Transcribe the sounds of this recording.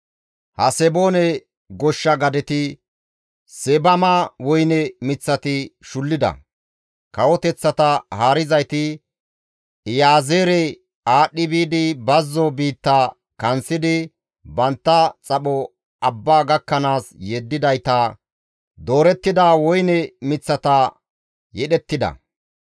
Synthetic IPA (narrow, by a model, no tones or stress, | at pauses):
hɐsɛbo̞ːnɛ | ɡɔʃːɐɡɐd̪ɛt̪ɪ | sɛbɐmaːwɔjnɛmɪt͡sːɐt̪ɪʃʊlːɪd̪ɐ̰ | kɐwɔt̪ɛt͡sːɐt̪ɐhaːɾɪzɐjt̪ɪ | jaːzeːɾɛ | aːɗːɪbiːd̪ɪbɐzːɔbiːt̪ːa | kɐnsɪd̪ɪ | bɐnt̪ːɐt͡sʼɐɓɔ | ɐbːaːɡɐkːɐnaːsjeːd̪ːɪd̪ɐjt̪ɐ | d̪oːɾɛt̪ːɪd̪aːwɔjnɛmɪt͡sːɐt̪ɐ | jɛɗɛt̪ːɪd̪ɐ̰